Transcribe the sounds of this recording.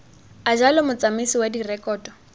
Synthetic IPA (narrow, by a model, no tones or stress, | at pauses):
ad͡ʒalɔmʊt͡samisiwadirɛkʼɔːdɔ